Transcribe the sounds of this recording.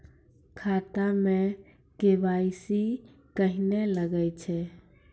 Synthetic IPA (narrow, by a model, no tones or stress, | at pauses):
kʰat̪ame | kebaisi | kəɦineləɡət͡ʃʰɛ